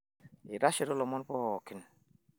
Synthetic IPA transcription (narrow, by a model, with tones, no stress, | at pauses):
i˨ɾa˦ʃe˨ɾɔ˦lɔ˨mɔ˦n˦pɔ˦ɔ˨ki˦n